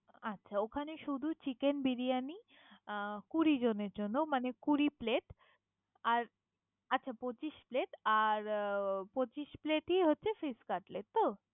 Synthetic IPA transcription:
atːɕʰaokʰaneʃud̪ʱut͡ɕikenbiɾijani | kuɾid͡ʑoneɾd͡ʑonːomanekuɾipleʈ | aɾ | atːɕʰapot͡ɕiʃpleʈaɾpot͡ɕiʃpleʈiɦotːɕʰefiskaɾʈleʈ̚t̪o

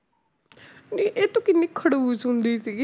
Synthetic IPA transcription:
neʔeːt̪õːkɪnːiːkʰəɽuːsɦʊ̃nd̪iːsiɡiː

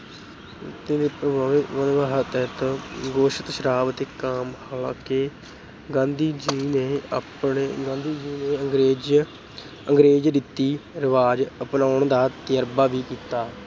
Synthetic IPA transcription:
t̪ẽːd̪eːpɾəbaːʋʋənʋaːɦət̪ɛːt̪ːɡoːʃət̪ʃəɾaːbt̪eːkaːmhaːlã̰ːkeː | ɡãːnd̪iːd͡ʒiːneːpɳeɡãːnd̪iːd͡ʒiːneːəŋɡɾeːd͡ʒ | əŋɡɾeːd͡ʒd̪ɪt̪ːiːɾɪʋaːd͡ʒəpnaːʊɳd̪aːt̪ɪjəɾbaːʋiːkiːt̪aː

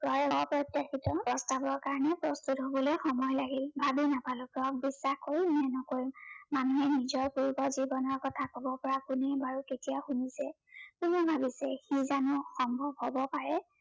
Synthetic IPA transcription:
bɔɹɔpɹɔtjakitɔpɹɔstabɔɹkaɹɔnɛpɹɔstutɦobɔlojxɔmɔjlaɡilbʱabinapalʊkɹɔk̚bisːaxkoɹimmɛnɔkoɹimmanuɦɛnizɔɹkuɹkɔzibɔnɔɹkɔtʰakɔbɔpɔɹakunɛbaɹuketijaxunisɛ | kunɛbʱabisɛxizanʊxɔmbʱɔbhɔbɔpaɹɛ

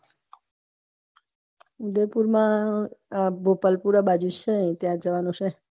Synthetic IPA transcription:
ud̪epuɾmã | bʱopəlpuɾabad͡ʒut͡ʃʰet̪jãd͡ʒəʋanũʃʰe

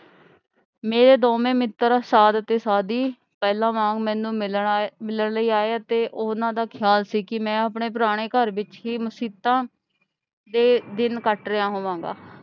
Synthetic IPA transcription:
mẽːɾeːd̪oːmẽːmɪt̪ːəɾsaːd̪ət̪eːsaːd̪iː | pɛːlãːʋãːŋɡmɛ̃ːnũːmɪlmɪləɳləiːaːeat̪eːʔonãːd̪aːkʰɪjaːlsiːkɪmɛ̃ːapɳeːp̬ɾaːɽ̃eːkəɾʋɪt͡ʃɦiːmʊsiːt̪ãː | d̪eːd̪ɪnkəʈɾejãːɦoːʋãːŋɡa̰ː

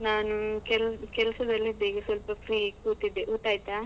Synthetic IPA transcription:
naːnukɛlkɛlsɐd̪ɐlːid̪ːeɡesʋɐlpɐpʰɾiːkuːʈ̪id̪ːeʔuːʈaːjt̪aː

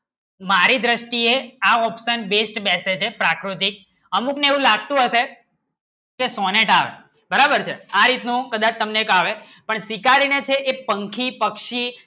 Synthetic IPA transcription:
maɾid̪ɾəʃʈieaɔpʃənbesʈbɛset͡ʃʰepɾakɾut̪ik̚ | əmukneeʋũlaɡ̚t̪ũɦəʃe | kesɔneʈa̰ʋḛ | bəɾabəɾt͡ʃʰḛaɾit̪nũkəd̪at͡ʃt̪əmneːkaʋe | pəɳsikaɾinet͡ʃʰeʔepəŋkʰipəkʃi

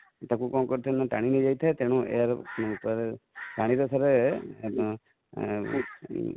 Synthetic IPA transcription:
t̪akukɔ̃kɔɾt̪ʰɛnaʈaɽ̃inid͡ʒajt̪ʰaet̪eɽ̃ũḛjaɾupɔɾepaɽ̃iɾɔsaɾe

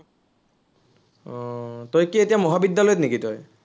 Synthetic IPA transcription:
ɔtojkietijamɔɦabidːalojtnekitoj

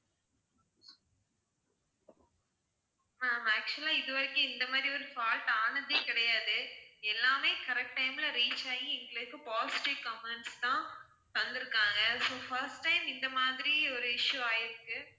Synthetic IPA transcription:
aːmæːk̚t͡ʃʊlaːɪðɯʋɐɾɪkːɯ̃ɪnd̪ɐmaːd̪ɾiɔɾɯfaːlʈaːɳɐnd̪ekɪɽɐjaːðɯɛlːaːmeːkɐɾɛk̚ʈːɐɪmɪlɐɾiːt͡ʃːaːjĩɛŋɡɐɭɐkːɯpaːsɪ̥ʈikːɐmɐnst̪ãː | t̪ɐnd̪ɪɾɯkːaːŋɡɐsoːfɐɾsʈːɐɪmɪnd̪ɐmaːðɾiɔɾɯɪʂːuaːjɪɾɯkːɯ

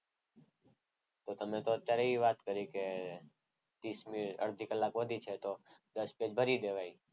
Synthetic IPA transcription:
t̪ot̪əmet̪oət̪jaɾeɦiʋat̪kəɾike | t̪ismiɾə̰ɾd̪ʱikəlːakʋəd̪ʱit͡ʃʰet̪od̪əsped͡ʒbʱəɾid̪eʋai

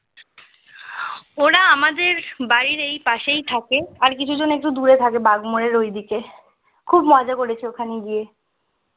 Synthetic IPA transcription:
oɾaamad̪eɾbaɾiɾejpaʃejt̪ʰakeaɾkit͡ɕʰud͡ʑonek̚ʈud̪uɾet̪ʰakebaɡmoɾeɾojd̪ike | kʰubmɔd͡ʑakoɾet͡ɕʰeokʰaniɡije

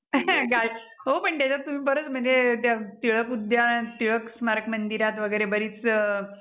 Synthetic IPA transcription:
ɡʱajɦopəɳt̪jat͡ɕat̪ːum̤iːpəɾət͡sm̤əɳd͡zet̪jat̪iɭəkud̪jat̪iɭəksmaɾkmənd̪iɾat̪ʋəɡəjɾebəɾiːt͡s

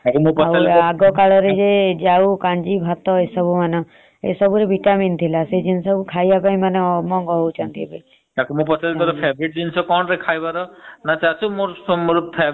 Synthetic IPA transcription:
akimũpɔalaɡɔkaɭɔɾed͡ʒed͡ʒaukãnd͡ʒibʱat̪ɔesɔbumanɔ̃ | ḛsɔbuɾebʱiʈamint̪ʰilased͡ʒinsɔbukʰajjapaĩmanemɔŋɡɔɦout͡ʃʰɔnt̪ʰipai | tãkimupɔsʰalkɔɾepʰebɾiʈ̚d͡ʒinsɔkɔnɾekʰajbaɾɔnat͡ʃasumompʰe

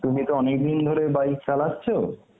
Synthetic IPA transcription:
t̪umit̪oɔnek̚d̪ind̪ʱoɾebajksalatːt͡ɕʰo

